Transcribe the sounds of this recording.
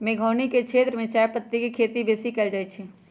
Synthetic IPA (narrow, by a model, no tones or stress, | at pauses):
mẽɡʱəːniket͡ʃʰet̪ɾəmẽt͡ʃajpət̪ːikekʰeːt̪ibesikɛld͡ʒaːj̪t͡ʃʰi